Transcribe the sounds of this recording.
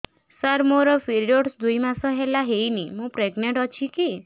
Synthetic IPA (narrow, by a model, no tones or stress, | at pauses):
saɾmoɾɔpʰiɾjoɽsd̪ujmasɔɦelaɦejnimũpɾeɡneʈɔt͡ʃʰiki